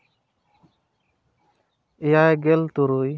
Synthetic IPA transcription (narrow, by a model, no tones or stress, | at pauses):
ejajɡelt̪uɾuj